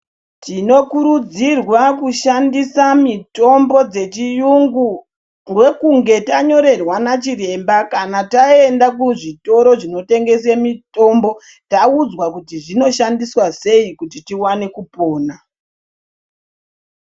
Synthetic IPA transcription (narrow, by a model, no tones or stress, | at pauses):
tino̞kuɾud͡zirwakuʃandisamito̞mbo̞d͡ze̞t͡ʃijuŋɡu | ŋɡwe̞kuŋɡe̞taɲo̞ɾe̞rwanat͡ʃire̞mbakanatae̞ndakuʐito̞ɾo̞ʐino̞te̞ŋɡe̞semito̞mbo̞ | taud͡zwakutiʐino̞ʃandiswase̞ikutitiwane̞kupo̞ːna